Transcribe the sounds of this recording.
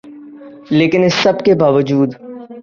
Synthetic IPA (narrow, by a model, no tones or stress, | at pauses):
leːkɪnɪsːɐbkebaːʋəd͡ʒuːd̪